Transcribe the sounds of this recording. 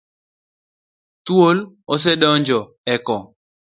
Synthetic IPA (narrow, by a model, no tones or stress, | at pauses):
t̪wol | ɔs̬edɔɲd͡ʒɔɛkɔ